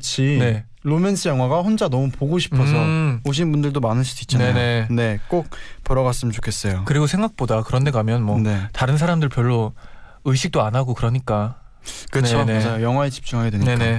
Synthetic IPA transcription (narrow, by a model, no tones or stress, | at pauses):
kɯt͡ɕʰine̞ | ɾome̞nsʰɯjʌŋwaɡaɸond͡ʑanʌmupoɡoɕʰi̥ppʰʌs̬ʰʌhoɕ̬ʰinbundɯɭdomanɯɭsʰud̥oit̚t͡ɕ͈anejnoene̞k͈ok̚pɯɾʌɡas͈ɯmt͡ɕo̥kʰe̞s͈ʌjokɯɾiɡosʰe̞ŋɡak̚p͈odakɯɾʌnde̞ɡamjʌnmwʌne̞taɾɯns̬ʰaɾamdɯɭpjʌɭːo | ɯɕʰik̚t͈oanaɡokɯɾʌɲik͈a | kɯnt͡ɕʰomad͡ʑajojʌŋɦwaet͡ɕi̥p̚t͡ɕ͈uŋɦaɡe̞dweɲeknae